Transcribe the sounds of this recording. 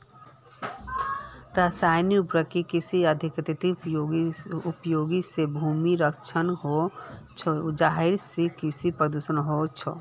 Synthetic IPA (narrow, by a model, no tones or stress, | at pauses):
ɾasajniupɾəkikisiəd̪ʱikət̪et̪ioupjoɡisebʱumiɾəkʰt͡ʃʰənɦot͡ʃʰd͡ʒaɦiɾsekisipɾəd̪usənɦot͡ʃʰɔ